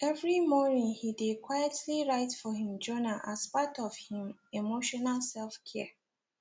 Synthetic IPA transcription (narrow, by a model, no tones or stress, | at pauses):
ɛvɹimɔnĩŋhidekʰwajɛtʰliɹaɪtfɔɦĩmd͡ʒɔnaʔaspatɔv̥hĩmemoʃɔnalsɛlfkʰɛ